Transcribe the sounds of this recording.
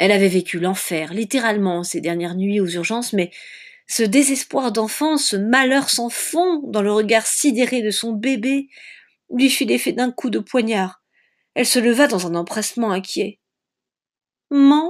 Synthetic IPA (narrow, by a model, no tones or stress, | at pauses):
ɛlavɛvekʲylɑ̃fɛʁlit̪eʁalmɑ̃sed̪ɛʁnjɛʁnɥiuzyʁʒɑ̃smɛ | səd̪ezɛspwaʁd̪ɑ̃fɑ̃səmalœʁsɑ̃fɔ̃d̪ɑ̃ləʁəɡaʁsid̪eʁed̪əsɔ̃bebe | lɥifilefɛd̪ɛ̃kud̪əpwaɲaʁ | ɛlsələvad̪ɑ̃zɛ̃nɑ̃pχɛsmɑ̃ɛ̃kʲjɛ | mɔ̃